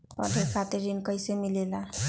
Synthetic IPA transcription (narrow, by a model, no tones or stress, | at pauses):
pʌ̰d̪ʱekʰat̪eɾinkʌjsemilela